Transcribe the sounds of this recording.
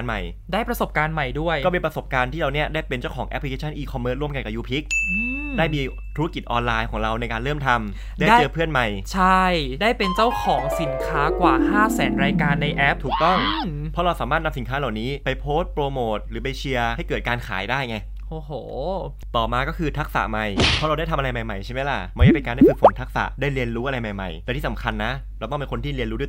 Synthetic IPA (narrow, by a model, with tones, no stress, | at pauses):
nma˨˩j | da˥˩jpɾa˧so˨˩p̚kaː˧nma˨˩jdu˥˩əjkɔ˥˩pe˧npɾa˧so˨˩p̚kaː˧nt̪ʰiː˥˩ɾa˧wni˥ɐdaː˥˩jpe˧nt͡ɕa˥˩wkʰɔː˩˦ŋʔɛ̰˦˥pʰli˧kʰeː˧t͡ɕʰa˥˩nʔiː˧kʰɔ˧mːɤː˦˥t̪ɾu˥˩əmka˧nka˨˩juː˦˥pʰi˦˥k̚ʔɯ˧mdaː˥˩jmiː˧ | t̪ʰu˧˥ɾa˦˥ki˨˩t̪̚ʔɔː˧nlaː˧jkʰɔː˩˦ŋɾa˧wna˧jkaː˧nɾɤː˥˩mt̪ʰa˧m | daː˥dt͡ɕɤː˧pʰɯ˥˩ənma˨˩jt͡ɕʰa˥˩jdaː˥˩jpe˧nt͡ɕa˥˩wkʰɔː˩˦ŋsi˨˩˦nkʰaː˦˥kwaː˨˩haː˥˩sɛː˩˦nɾaː˧jkaː˧nːa˧jʔɛ˦˥p̚t̪ʰuː˨˩k̚t̪ɔ˥˩ŋʰɔ˦˥ɾa˧wsaː˩˦maː˥˩t̪̚na˧msi˩˦nkʰaː˦˥la˨˩wniː˦˥pa˧jpʰoː˦˥st̪̚pɾoː˧moː˨˩t̪̚ɾɯː˩˦p̬a˧jt͡ɕʰi˧ɐha˥˩jkɤː˨˩t̪̚kaː˧nkʰa̰ː˩˦jdaː˥˩jŋa˧j | ʔoː˨˩hoː˩˦ | t̪ɔː˨˩maː˧kɔː˥˩kʰɯː˧t̪ʰa˦˥k̚sa̰˨˩ʔma˧jpʰɔ˦˥ɾa˧wdaː˥˩j̪t̪ʰmʔɾa˧jma˨˧jma˨˩jt͡ɕʰa˥˩ma˦˥jla̰˨˩ma˥˩da˥˩pe˧nkaː˧da˥˩kʰuː˨˩fo˨˩˦nt̪ʰa˦˥k̚sa̰˨˩ʔdaː˥˩jli˧ənɾuː˦˥ʔɾa˧jma˨˩jma̰˨˩j̪ɛ˨˩t̪ʰiː˥˩sa˩˦mkʰa˧nːa˦˥ | lwt̪ɔ˥˩pe˧nko˧nt̪ʰiː˥˩li˧ənɾu˦du˧˨˩